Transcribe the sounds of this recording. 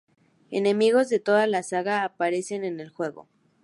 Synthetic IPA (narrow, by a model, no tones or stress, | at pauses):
e̞̰nẽ̞miɣo̞zðe̞t̪o̞ðalasaɣaːpaɾe̞se̞ne̞ne̞lxwe̞ɣo̞̰